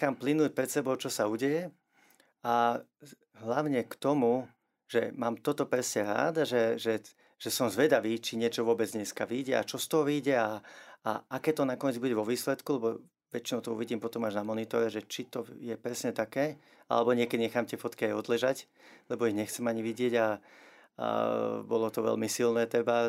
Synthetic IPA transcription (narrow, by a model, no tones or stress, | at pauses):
aːmplinuːc̚pɾɛt̪sɛbɔʊt͡ʃɔsauɟɛjɛ | a | ɦlaʊɲɛkt̪ɔmu | ʒ̥ɛmaːmt̪ɔt̪ɔpɾɛsɲɛɾa̰ːd̪aʒɛʒɛ | ʒ̥ɛsɔmzʋɛd̪aʋiːt͡ʃiɲɪɛt͡ʃɔʋʊɔbɛd͡zɲɛskaʋiɟɛa̰t͡ʃɔst̪ɔɦɔʋiːɟɛaaakɛːt̪ɔnakɔɲɛd͡zbuɟɛʋɔʋiːslɛt̪kulɛbɔ | ʋɛt͡ʃinɔʊt̪ɔuʋiɟiːmpɔt̪ɔmaʒnamɔnit̪ɔɾɛʒɛt͡ʃit̪ɔjɛpɾɛsɲɛt̪akɛː | a̰lɛbɔɲɪɛkɛɟɲɛxaːmt̪ɪɛfɔt̪kiajɔd̪lɛʒac | lɛbɔiɣɲɛxt͡sɛmaɲiʋiɟɪɛɟa̰ | bɔlɔt̪ɔʋɛ̰lmisilnɛːt̪ɾɛba